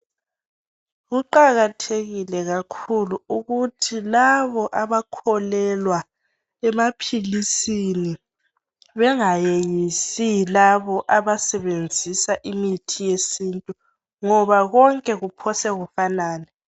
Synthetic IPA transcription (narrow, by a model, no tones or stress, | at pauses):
ɣuǃaɣatʰeɣilɛɣakʰuluuɣutʰilaβɔʔaβakʰɔlɛlwa | ɛmapʰilisini | βɛŋajejisilaβɔʔaβasɛβend͡zʱisaʔimitʰijesiːntʼu | ŋɔβaɣɔŋkʼɛɣupʰɔsɛɣufanaːnɛ